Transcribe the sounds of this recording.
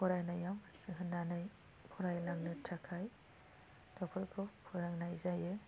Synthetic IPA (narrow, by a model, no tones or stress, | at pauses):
pʰɔɾajnajamsɯɦɯnːanɯj | pʰɔɾajlaŋnɯtʰakʰaj | d̥ɔpʰɯɾkʰɯpʰɔjɾaŋnajzajɯ